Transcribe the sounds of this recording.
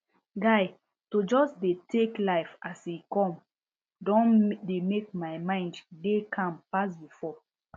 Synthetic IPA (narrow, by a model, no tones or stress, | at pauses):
ɡaɪ | tod͡ʒɔsdetʰeklaɪfasikɔ̃m | dɔ̃ndemek̚maɪmãɪ̃nddekʰãmpas̬bifɔ